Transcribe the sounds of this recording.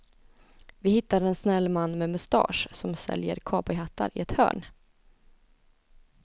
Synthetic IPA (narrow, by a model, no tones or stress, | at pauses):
vɪhɪt̪ːaɾɛnsnɛlːmanːmɛmɵst̪ɑ̰ːʂsɔmsɛ̰ljə̰ɾkʰɑːbɔjhat̪ːa̰ɾɪɛt̪hœ̰ːɳ